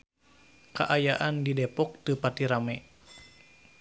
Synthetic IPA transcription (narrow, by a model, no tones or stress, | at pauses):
ka̰ʔajaʔandidɛpɔk̚t̪əpat̪iɾamɛ